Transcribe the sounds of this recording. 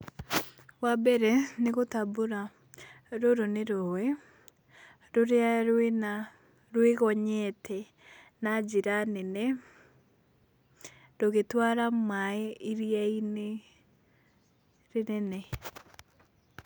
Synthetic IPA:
wabɛɾɛneɣotabuɾa | ɾoɾoneɾoɛ | ɾoɾeaɾena | ɾweɣɔɲɛtʰɛ | nad͡ʒiɾanenɛ | ɾoɣetwaɾamaɛiɾiaine | ɾenɛnɛ

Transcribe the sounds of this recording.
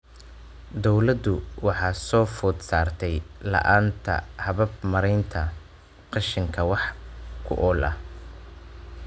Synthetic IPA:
d̪ɔwlɐd̪ʊwɑħɑːsɔːfʊːd̪saːrt̪ʰɛjlɐ̰ʔaːnt̪ʰɐ̰hɐβɐbmɐɾɛjnt̪ʰɐ | qɑʃɪŋkʰɐwɑħkʰʊ̰ʔɔːlʔɐ̰

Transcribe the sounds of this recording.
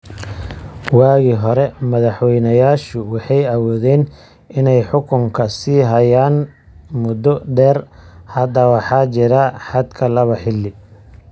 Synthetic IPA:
wɑːɣiːɦɔɾɛmɐðɑħwɛjnɐjaːʃʊwɑħɑjɐwɔːðɛːn | ʔɪnɛjħʊkʰʊŋkʰɐsiːɦɐjaːn | mʊd̪ɔɖɛːrhɐd̪ɐwɑħɑːt͡ʃɪɾɐħɑd̪kʰɐlɐβɐħɪlːɪ

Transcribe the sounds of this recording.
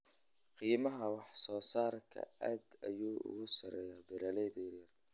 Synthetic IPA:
qiːmɐɦɐwɑħsɔːsaːrkʰɐ̰aːd̪ɐjuːʊ̰ɣʊsɐɾɛjɐbɪɾɐlɛðɛjɐr

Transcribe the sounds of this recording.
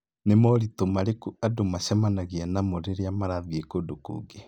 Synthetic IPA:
nemɔɾitomaɾekuadomaɕɛmanaɣianamoɾeɾeamaɾaðiekodokṵːŋɡe

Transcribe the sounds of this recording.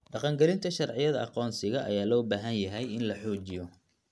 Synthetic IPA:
ɖɑqɑŋɡɛlɪnt̪ʰɐʃɑrʕɪjɐðɐʔɑqɔːnsɪɣɐʔɐ̰jaːlɔːbaːɦɐnjɐɦɛjɪnlɐħuːt͡ʃɪjɔ

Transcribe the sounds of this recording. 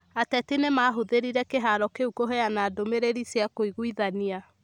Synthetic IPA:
atɛtinemaːɦoðeɾiɾɛkeɦaɾɔkeukoɦɛanaːdomeɾeɾisjakoiɣuiðania

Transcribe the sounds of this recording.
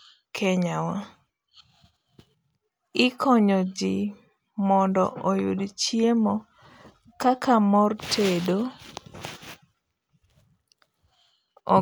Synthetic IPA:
kʰɛɲawa | ɪkʰɔɲɔd͡ʒɪ | mɔndɔ̰ʔɔjṵdt͡ʃjemɔ | kakʰamɔrtʰedo | ɔ̰

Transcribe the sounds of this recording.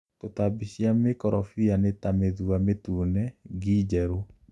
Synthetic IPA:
totabiɕjamekɔɾʔɔfianetameðuametunɛɡid͡ʒɛɾo

